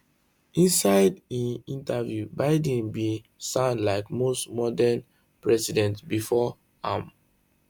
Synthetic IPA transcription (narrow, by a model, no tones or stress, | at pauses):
ĩnsaɪdĩnĩntavjubaɪdnbĩ | sãnlaɪkmostmɔdan | pɹɛsidɛ̃ntbifɔ | ãm